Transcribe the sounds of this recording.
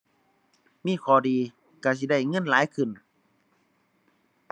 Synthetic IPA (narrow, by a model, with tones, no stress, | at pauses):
miː˧˥˨kʰɔː˧˩diː˨ | ka˧˩s̬i˧˦da˧˥˩jŋɤ˧˥˨nlaː˨˦jkʰɯ˧˩n